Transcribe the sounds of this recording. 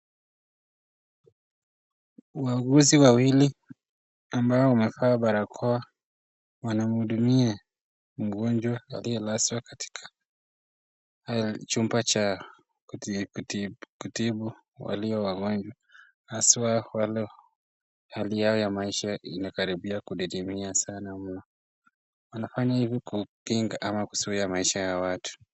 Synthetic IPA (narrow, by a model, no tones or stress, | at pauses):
waɡuziwawili | ambaɔumɛfaɓaɾakʰɔa | wanam̩huɗumia | m̩ɡɔnd͡ʒwaa̰lijɔlaswakḁti̥kʰḁ | halt͡ʃumbat͡ʃa | ktkutiɓu | wa̰liɔwaɡɔɲd͡ʒwa | haswawalɔ | halijaɔjamaiʃainakaɾiɓiakuɗiɾimiasanam̩nɔ | wanafaɲahivikupiŋɡaʔamaku̥suiamaiʃajawatʰu̥